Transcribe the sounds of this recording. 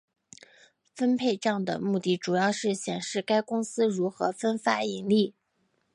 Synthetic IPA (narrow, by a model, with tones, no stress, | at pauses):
fə˥npʰe˥˧ɪʈ͡ʂɑ˥˩ŋd̪ə̰˩mu˥˧t̪i˥˩ʈ͡ʂu˨˩jɑ˥˧ʊʂɻ̩˥˩ɕjɛ˨˩nʂɻ̩˥˩ka˥ɪkʊ˥ŋsɹ̩˥ɻu˧˥xɤ̰˧˥fə˥nfa˥i˧˥ŋli˥˩